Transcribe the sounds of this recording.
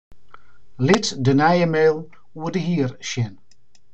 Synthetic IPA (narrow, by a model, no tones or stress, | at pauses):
lɪtdənajəmelˠ | wədəhiːɾʃɪn